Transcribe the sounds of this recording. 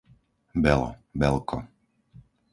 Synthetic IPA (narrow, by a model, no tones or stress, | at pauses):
bɛlɔ̰bɛlˠkʰɔ